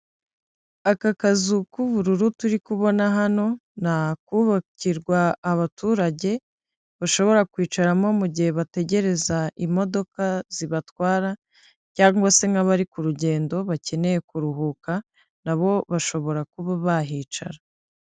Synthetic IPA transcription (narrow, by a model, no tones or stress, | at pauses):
akakazukuβuɾuɾutuɾikuβo̞naɦano̞nakuβaciɾɡwaːβatuːɾaɟe̞ | βaʃo̞βo̞ɾakwiːt͡ʃaɾamo̞muɟihe̞βate̞ɟe̞ɾe̞zaʔimo̞do̞kaziβatwaːɾa | caːŋɡwase̞ŋɡaβaɾikuɾuɟe̞ːndo̞βace̞ne̞je̞kuɾuɦuka | naβo̞βaʃo̞βo̞ɾakuβaβaɦiːt͡ʃa̰ɾa